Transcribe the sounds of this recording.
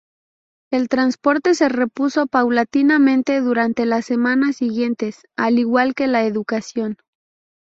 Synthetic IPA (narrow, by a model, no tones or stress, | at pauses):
e̞lt̪ɾanspo̞ɾt̪e̞se̞re̞puso̞pawlat̪inamẽnt̪e̞ðuɾant̪e̞lase̞mãnasiɣje̞nt̪e̞s | aliɣwalke̞laeðukasjo̞n